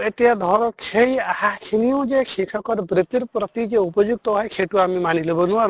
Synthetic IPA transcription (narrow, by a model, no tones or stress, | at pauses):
etijad̪ʱɔɾɔkʰejahakʰinijɔd͡ʒekʰikʰɔkɔɾbɾet̪iɾpɾɔt̪id͡ʒeupɔd͡ʒuɡ̚t̪ɔɦɔjkʰeʈuamimanilebɔnuwaɾ